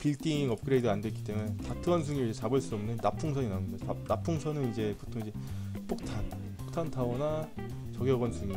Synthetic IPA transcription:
piɭt͈iŋʌp̚k͈ɯɾe̞idɯandwekit͈e̞munetatʰɯʌns̬ʰuŋiɾid͡ʑet͡ɕabɯɭs͈udʌmnenapʰuŋsʰʌɲinaumidaanapʰuŋsʰʌnɯnid͡ʑe̞potʰoŋid͡ʑe̞p͈ok̚tʰan | p͈ok̚tʰantʰaɡʌna | t͡ɕʌɡjʌɡʌnsʰuŋi

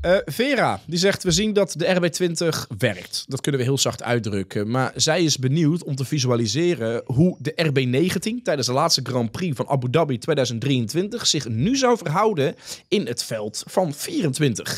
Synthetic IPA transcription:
əvɪːra̰ːdizɛχtʋəzindɑtdəɛrbeːtʋɪntəχʋɛrk̚tdɑtkɵnənʋəɦɪːlˠzɑχtʰœ̰ɥ̚drɵkəmaːɹzɛjɪzbəniwtɔmtəvizyalizɪːrəɦudəʔɛrbenejɣəntintɛjdənzdəlaːtstəɡrɑ̃mprivɑnʔa̰budabitʋeːdœɥzənt̚drijəntʋɪntəxsɪχnyzɔwvərɦʌwdənɪnətfɛlˠtfɑnfiːrəntʋɪntəχ

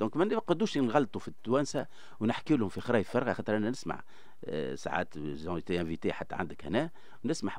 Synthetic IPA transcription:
d̪̥ɔ̃ːkmænqɑd̪uːʃnɣɑlːt̪ˤufit̪ːwæːnsa | wnɪħkiwlhʊmfixɾˤɑːjəfɑɾˤɣɑxɑːt̪əɾʔænːænɪsma̰ʕ | sa̰ʕa̰ːt̪zɑ̃t̪eʔæ̃vit̪eħat̪ːæ̰ʕa̰nd̪əkhænæː | wnɪsmaħ

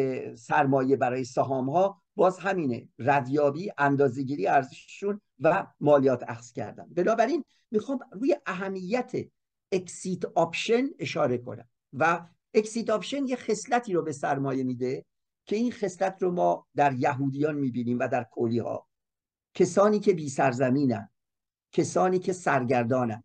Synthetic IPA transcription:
esæɾmɒːje̞bæɾɒːje̞sæɦɒːmhɒː | bɒːzɦæmiːnḛræd̪jɒːbiːʔænd̪ɒːzeɟiːɾijæɾzeʃeʃun | væmɒːlijɒːt̪ʰæ̰xz̥cʰæ̰ɾd̪æ̰nbe̞nɒːbæɾin | mixɒːmruːje̞ʔæɦæmːijːæt̪ʰe | eksit̪ʰɒːpʃe̞ne̞ʃɒːɾe̞kʰo̞̰næ̰m | væ | eksiːt̪ɒpʃenjexe̞slæt̪ʰiːɾobe̞sæɾmɒːje̞miːd̪e | cʰe̞inxe̞slæt̪ʰromɒːd̪æɾjæɦuːd̪ijɒːnmiːbiːniːmvæd̪æɾkʰoliːhɒ̰ː | cʰesɒːniːcʰe̞biːsæɾzæmiːnæ̰n | cʰesɒːniːcʰe̞sæɾɟæɾd̪ɒːnæn

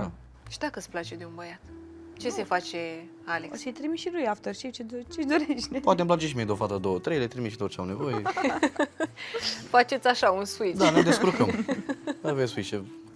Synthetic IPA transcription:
a | ʃid̪akəsplat͡ʃed̪eunbəjat̪ | t͡ʃe̞se̞fat͡ʃe | aleosejt̪ɾimiʃiɾujaft̪ərt͡ʃet͡ʃeot͡ʃeʃd̪oɾeʃt̪epwat̪emp̬lat͡ʃeʃimed̪ofat̪əad̪owət̪ɾejlet̪ɾimiʃit̪ort͡ʃea̰wnevoje | fat͡ʃe̞t̪sʲaʃaunsuid̪aned̪eskuɾkəm | əvesuiʃe

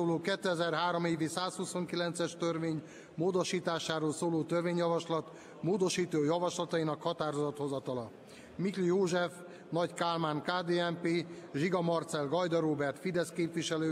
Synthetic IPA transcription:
oːloːkɛt̪ːøɛzɛrɦaːɾo̞meːvisaːshuso̞ŋkilɛnt̪sɛʃt̪ørveːɲ | moːd̪o̞ʃiːt̪aːʃaːɾoːlsoːloːt̪ørveːɲjɒvɒʃlɒt̪ | moːd̪o̞ʃiːt̪oːjɒvɒʃlɒt̪ɒinɒkhɒt̪aːɾozɒt̪ho̞zɒt̪ɒlɒ | miklijoːʒɛf | nɒɟkaːlmaːŋkaːd̪eːɛmpeːʒiɡɒmɒrt̪sɛlɡɒjd̪ɒɾoːbɛrt̪fid̪ɛskeːpʋiʃɛløː

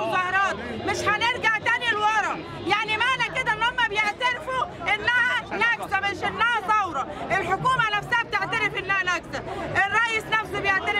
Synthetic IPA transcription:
zɑhɑɾˤɑːt̪̚mɪʃhænɪɾɡaʕt̪aːnilwɑɾˤɑ | jaʕnimaʕlækɪd̪ænːomːabjeʕt̪aɾfuʔɪnːahænæɡzamaʃʔɪnːahæsˤɑwɾˤɑʔɪlħokuːmanafsahab̚t̪eʕt̪aɾɪfʔɪnːahænæɡzaʔɪrˤːɑʔjisnafsibjeʕt̪aɾɪ

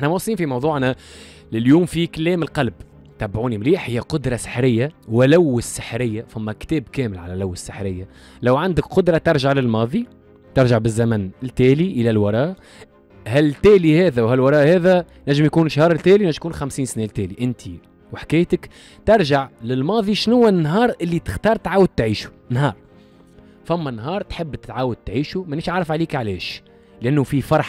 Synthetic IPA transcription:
ʔɪħnæmwɑsˤːliːnfimɑwðˤuːʕnæ | lɪljuːmfiklːɛːmɪlqɑlb | t̪æbʕuːnimliːħhɪjːæqʊd̪ɾˤɑsɪ̥ħɾɪjːawɪlæwːɪsːɪħɾɪjːafæmːækt̪ɛːbkɛːmɪlʕalælæwːɪsːɪħɾɪjːæ | læwʕand̪ɪkqʊd̪ɾˤɑt̪ɑɾˤʒaʕlɪlmɑːðˤi | t̪ɪɾʒaʕbɪzːæmænɪlt̪æːliʔəlælwɑɾˤɑːʔ | hælt̪æːlihɛːðæwhælwɑɾˤɑːʔhɛːðæ | næʒːɪmjkuːnɪʃhɑːɾˤɪlt̪ːæːliwæʒjkuːnxæmsiːnsnɛlt̪ɛːliʔɪnt̪ʰi | wħḁkæːjt̪ək | t̪ɪɾˤʒaʕlɪlmɑːðˤiʃnʊwːænːɦɑːɾˤʔɪlːit̪ɪ̥xt̪ɑːɾˤt̪ʕaːwəd̪̚t̪ʕiːʃu̥ | nɦɑːɾˤ | fæmːænɦɑːɾˤt̪ħɪbːt̪ɪ̥t̪ʕaːwʊd̪̚t̪ʕiːʃumænːiːʃʕaʕɾɑfʕaliːkʕalɛːʃ | lɪʔænːʊfifɑɾˤħ

